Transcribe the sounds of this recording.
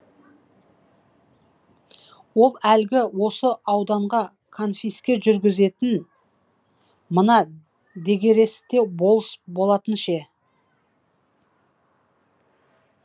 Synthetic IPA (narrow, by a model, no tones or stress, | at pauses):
wo̞lˠælɡʲɪwo̞səʔɑwd̪ɑɴʁɑ | kʰonfʲijskʲe̞ʒʏɾɡʲɪze̞t̪ɪn | mənɑ | d̪e̞ɡʲe̞ɾe̞sɪ̥t̪e̞bo̞lˠəsbo̞lˠɑt̪ənʃe